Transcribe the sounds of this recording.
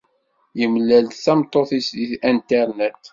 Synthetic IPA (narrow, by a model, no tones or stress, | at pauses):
jəmlːælt̪θæmt̪ˤːoθisd̪iθænt̪æɾnet̪